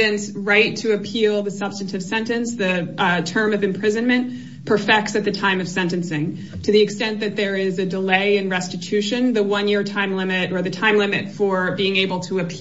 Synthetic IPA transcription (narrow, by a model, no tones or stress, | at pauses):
ɨ̃nsɹaɪtʰɨːpʰilˠðɨsʌb̥stɨ̃n̩tɨv̥sɛ̃ntɨ̃nsðɨtʰɜ̃˞mʌvɨ̃mpʰɹ̥ɪzɨ̃nmɨ̃n | pʰə˞fɛk̚tsɨt̪̚ðɨtʰãɪ̃mʌv̥sɛ̃ntɨ̃nsɪ̃ŋ | tʰɨðiɨkstɛ̃nðɨt̪̚ðə˞ɪzɨdəleɪɨ̃nɹɛstɨtʰʉʃɨ̃nðəwʌ̃njɪɹtʰãɪ̃mlɪ̃mɨɾə˞ðɨtʰãɪ̃mlɪ̃mɨtfə˞biɪ̃ŋeɪbl̩ˠtʰəɨpʰ